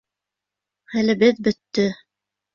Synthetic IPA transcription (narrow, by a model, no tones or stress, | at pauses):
hælɘ̆bɘðbɵ̆t̪ːɵ